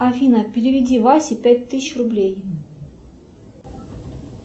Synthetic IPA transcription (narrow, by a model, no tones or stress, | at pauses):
afʲinapʲɪɾʲɪvʲɪdʲivasʲɪpʲætʲt̪ːɨsʲɪɕrublʲej